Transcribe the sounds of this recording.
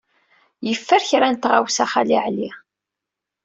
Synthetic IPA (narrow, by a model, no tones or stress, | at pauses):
jəfːəɾçɾænt̪ʁawsæχaliʕli